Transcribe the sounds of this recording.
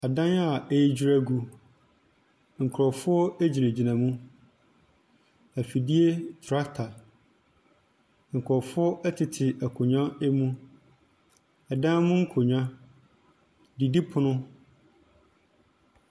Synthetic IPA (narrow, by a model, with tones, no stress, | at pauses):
a˨dã˦na˦˨e˦d͡ʑi˦ɾæ˦ɡu˦ | ŋ̩˨kʰɾɔ˨fʊ˦ɔ˦e˦d͡ʑi˨nẽ˨d͡ʑi˨nã˨mũ˦ | æ˨fi˨di˦e˦tʰɾa˦ktʰa˨ | ŋ̩˨kʰɾɔ˨fʊ˦ɔ˦ʔɛ˦tʰɪ˨tʰɪ˨ʔæ˨kʰo˨ɲã˦ɛ˦mũ˦ | ɛ˨dã˦mũ˦ŋ̩˦kʰo˨ɲᶣã˦ | di˨di˦pʰʊ˨nʊ̃˦